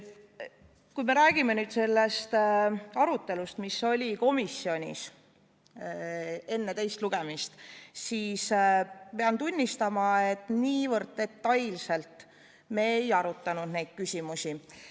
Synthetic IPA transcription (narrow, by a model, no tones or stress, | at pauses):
kujme̞ɾæːɡ̥ime̞nyːd̪̥se̞lːe̞st̪ɑɾut̪ːˑe̞lust̪misːo̞lʲiko̞misʲːio̞nʲḭs | e̞nːe̞t̪e̞jst̪luɡ̥e̞mist̪siːspeɑnt̪unʲːist̪ɑmɑe̞t̪ːˑniːvɤrd̪̥̚t̪e̞t̪ːɑjlse̞lt̪ˑ | me̞ːjɑɾut̪ːˑɑnud̪̥ne̞jd̪̥̚kysʲimusi